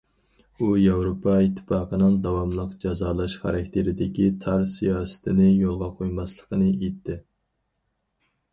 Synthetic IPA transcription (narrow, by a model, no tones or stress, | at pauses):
ujɑwɾopʰɑit̪ʰːɪ̥fɑːqənɨŋd̪ɑwɑmlˠəqd͡ʒɑzɑːlˠɑʃχɑ̰ɾɛk̚ʲt̪ʰeɾɪd̪ɪkʲit̪ʰɑɾsijɑːsɪ̥t̪ʰɪnɪjolˠʁɑqʰojmɑslˠəqʰənɨet̪ʰːɪ